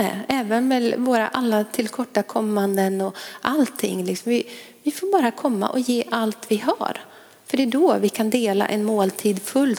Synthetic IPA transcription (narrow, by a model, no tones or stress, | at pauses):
nɛɛːvənmɛvoːɾa̰ʔalːat̪ʰɪlkʰɔʈːakʰɔmːand̪ənɔʔalt̪ʰːɪ̰ŋːlɪksɔmvɪ | vɪfoːɾbɑːɾakʰɔmːa̰ʔɔjeːʔalt̪vɪɦa̰ɾ | fœɖɛd̪ɔːvɪkʰand̪eːla̰ʔɛnmoːlt̪ʰiːd̪fɵl